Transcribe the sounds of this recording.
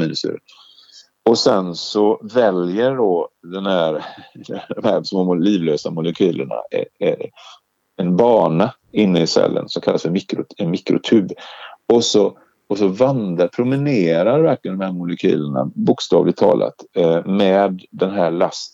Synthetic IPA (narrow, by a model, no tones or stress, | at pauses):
miːnəsʉ̰ːɾə | ɔsɛnsɔvɛljəɾɖɔd̪ɛnhæːɾd̪d̪ɔmhæsmoːliːvløːsamʊlɛkʰyːlʔəɳa̰ɛ | ɛnbɑːɳa | ɪnːəɪsɛ̰lːə̰nsɔmkʰalːasfœɾmɪkɾʊɛnmɪkɾʊt̪ʰʉːbɔsɔ | ɔsɔvand̪apʰɾʊmɪneːɾaɾvæɾklɪənɔmhæːɾmʊlɛkʰy̰ːləɳa̰bʊkst̪ɑːvlɪɡ̚t̪ʰːɑ̰ːlʔa̰t̪mɛːd̪ːɛnɦæːɭast̪